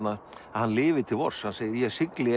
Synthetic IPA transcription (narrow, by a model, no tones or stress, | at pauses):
na | ahanːlɪːvɪ̥t̪ʰɪlvɔ̰r̥shanseːjɪɾjɛsɪklɪ